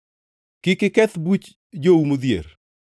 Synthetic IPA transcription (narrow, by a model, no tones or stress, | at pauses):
kɪkɪkɛt̪but͡ʃ | d͡ʒoumod̪jḛɾ